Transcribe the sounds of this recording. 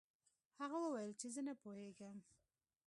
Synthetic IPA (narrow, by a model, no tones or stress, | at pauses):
haɣawəwajəlt͡ʃezənapoheɡam